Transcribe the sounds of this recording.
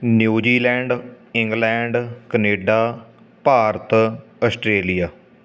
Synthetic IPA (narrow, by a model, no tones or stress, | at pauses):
njuːd͡ʒiːlɛ̃ːɳɖ | ɪ̃ŋɡlɛ̃ːɳɖkəneːɖaː | paːɾt̪əsʈɾeːlijaː